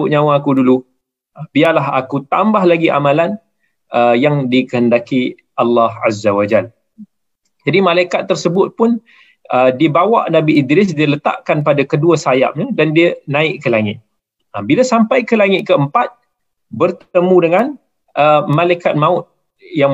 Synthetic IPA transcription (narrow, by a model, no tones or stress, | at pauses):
ʊʔɲãwaːkudulu | bialaɦa̰kut̪ambaɦlaɡiʔa̰malan | əjaŋdikəhəndaki | ʔalːɑhazawad͡ʒal | d͡ʒadimalajkat̪ːərsəbʊt̪̚pʊn | ədibawa̰ʔnabiʔːd̪ɾɪs̬dilət̪a̰ʔkanpadakəduasaja̰m̚ɲədandiənãɪʔkəlaŋɪt̪̚ | əbilasampajkəlaŋɪt̪̚kəəmpat̪̚ | bərt̪əmũdəŋan | ʔəmalajkat̪̚mãʊt̪̚ | jaŋ